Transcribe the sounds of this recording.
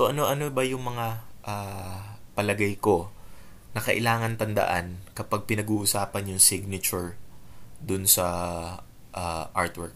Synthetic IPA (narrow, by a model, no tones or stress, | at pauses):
soʔɐno̞ʔɐnobɐjʊŋmɐŋaʔa | pɐlɐɡajko̞ | nɐkɐʔɪ̰laːŋɐnt̪ɐnd̪ɐ̰ʔa̰nkɐpaɡ̚pɪnɐɡuːʔʊsaːpɐnjʊŋsɪɡ̚nɐt͡ʃʊɹ | d̪ʊnsɐ | ʔaʔaɹt̪wɛɹk̚